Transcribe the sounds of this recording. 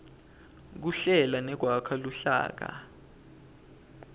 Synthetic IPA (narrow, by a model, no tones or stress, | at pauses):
k̬uɬɛlanɛɡ̥̬ʱwakʰaluɬa̰ːk̬a̰